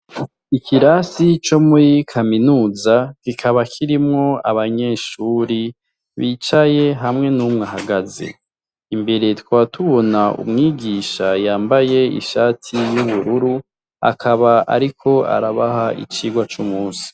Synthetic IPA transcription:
ikiɾasit͡ʃo̞muɾikʰaminuːzakikʰaβakʰiɾimŋo̞aβaɲe̞ːʃuːɾi | βiːt͡ʃaje̞ɦamŋe̞nuːmŋaɦaɡazḛ | imbe̞ɾe̞twaːtuβo̞naʔṵmŋiːɡiːʃajaːmbaje̞ḭʃaːtʰijuβuɾuɾu | a̰kʰaβaa̰ɾikʰo̞a̰ɾaβahaʔḭt͡ʃiːɡwat͡ʃumuːsi̥

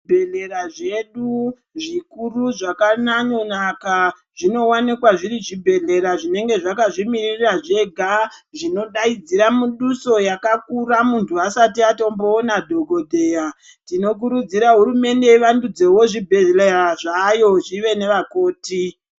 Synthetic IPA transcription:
bʱeɮe̞ɾaʐe̞ɗu | ʐikuruʐakanaɲo̞naka | ʐino̞wanikwaʐiɾiʐibʱe̞ɮe̞ɾaʐine̞ŋɡe̞ʐakaʐimiririraʐe̞ɡʱaʐino̞ɗaid͡ziɾamuɗuso̞jakakuramuntʰuasatiato̞mbo̞ːnadʱo̞ɡʱo̞dʱe̞ːja | tino̞k̬uɾud͡ziɾaɦuɾume̞nde̞iʋandud͡ze̞wo̞ʐibʱeeleraʐajo̞ʐiʋe̞ne̞ʋako̞ːti

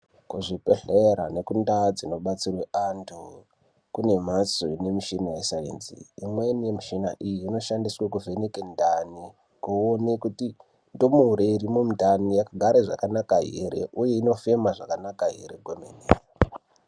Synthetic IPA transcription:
kuʐipeɬeɾa̰ne̞kundad͡zino̞ɓat͡sirweantʰu | kune̞m̤asoine̞miʃinajesaḛnzḭimwe̞nijemiʃina̰ʔijiːno̞ʃandiswakuvʱe̞nekendani | koonekuti | ndo̞muuɾeiɾimumudʱanijakaɡʱaɾeʐa̰kanakaɦḛɾe̞ʔuje̞ino̞fe̞maʐakanakaɦḛɾe̞ɡʱomeneːa

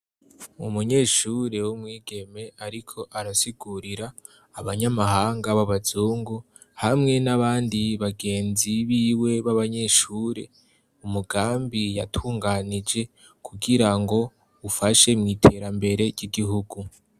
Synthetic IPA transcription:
umuɲe̞ʃuɾe̞wumŋiːɡe̞me̞aɾikʰo̞ʔaɾasiɡuɾiɾaː | βaɲamahaːŋɡaβaβazuːŋɡu | hamŋe̞naβaːndiβaɡe̞ːnziβiːwe̞βaβaɲe̞ʃuɾe̞̰ | umuɡaːmbija̰tʰuːŋɡanid͡ʒe̞ | kʰuɡiɾaŋɡo̞ | ufaʃe̞mŋiːtʰe̞ɾambe̞ɾe̞ɟiɡiɦuɡu

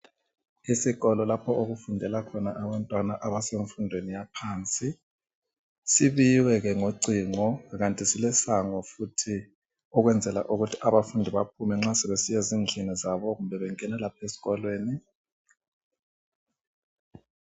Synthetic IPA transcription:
isiɣɔlɔlapʰɔoɣufundʱɛlakʰɔnaʔaβantʼwanaʔaβaseɱfundʱwenijapʰaːnt͡sʼi | siβiwɛɣɛŋoǀiːŋɔɣantʼisilɛsaŋɔfutʰi | ɔɣwɛnd͡zʱɛla̰ʔuɣutʰi̥aβafundʱiβap̚ʰumɛŋ͡ǁasɛβesijɛzind͡ɮʱinizaβɔɣumbʱɛβɛŋɛnalapʰesi̥ɣɔlweːni

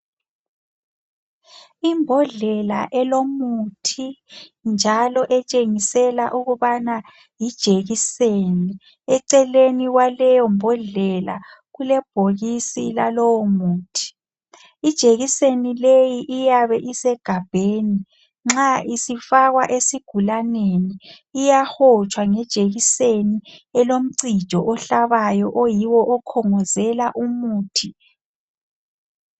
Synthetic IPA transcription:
imbʱɔɮɛla̰ʔɛlomutʰind͡ʒʱalɔʔɛt͡ʃʼeŋisɛla̰ʔuɣuβana | jid̥ʒ̥ʱeɣiseni | ɛǀɛleniɣwalɛjɔmbʱɔɮɛla̰ | ɣulɛb̥ʱoɣisilalɔwɔmuːtʰi̥ | id̥ʒ̥ʱeɣisenilejiʔijaβɛʔisɛɡ̥ʱab̥ʱeːni | ŋ͡ǁaisifaɣwaʔesiɡ̥ʱulaneniː | jaxɔt͡ʃʰʼwaŋɛd̥ʒ̥ʱeɣiseniɛlom̩ǀi̥ʒ̥ʱɔʔɔɬaβajɔʔojiwɔʔɔkʰɔŋɔzɛlaʔumuːtʰi

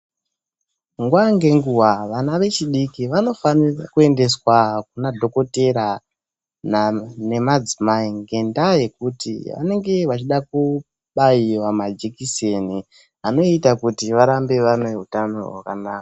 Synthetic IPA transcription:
ŋɡwaŋɡe̞ŋɡuwaʋanaʋe̞t͡ʃiɗikiʋano̞fanirakue̞nde̞swak̚unadʱo̞ko̞te̞ɾa | nane̞mad͡zimaiŋɡe̞ndaje̞kutḭʋa̰ne̞ŋɡe̞ʋat͡ʃiɗaku | ɓaiwamad͡ʒikiseni | ano̞itakutiʋaɾambe̞ʋanoɦutano̰ɦwakanaːka

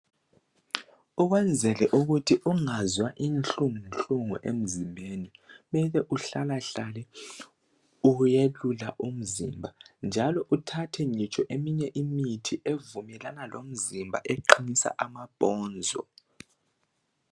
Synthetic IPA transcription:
uɣwɛnd͡zʱɛlɛʔuɣutʰiuŋazwaʔint͡ɬuŋnɬʼuŋuʔem̩zimbʱeːnimɛlɛʔuɬalaɬalɛ | ujelulaʔum̩zimbʱand͡ʒʱalɔʔutʰatʰɛɲit͡ʃʼɔʔemiɲɛʔimitʰiʔevumɛlanalom̩zimbʱa̰ʔeǃinisa̰ʔamab̥ʱɔːnd͡zʱɔ̰

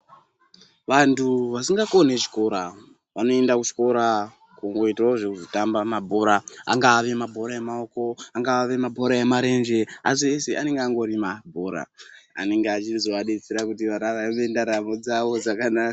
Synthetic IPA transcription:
ʋantʰuʋasiŋɡakone̞t͡ʃi̥ko̞ɾa | ʋano̞e̞ndakut͡ʃi̥ko̞ɾa | kuŋɡo̞itaoʐekuzotambamabʱo̞ɾaa̰ŋɡaːʋe̞mabʱo̞ɾaemao̞ko̞aŋɡaːʋe̞mabʱo̞ɾaemaɾe̞nd͡ʒe̞as̬ieseʔane̞ŋɡeaŋɡo̞rimabʱo̞ɾa̰ːne̞ŋɡeat͡ʃizo̞ʋaɗet͡seɾakut̬iʋaɾaɾaaʋe̞ndaɾamod͡zaʋo̞d͡zakanaːka

